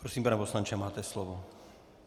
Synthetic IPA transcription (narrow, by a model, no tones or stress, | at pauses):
pɾosiːmpanɛposlant͡ʃɛmaːt̪ɛslɔvo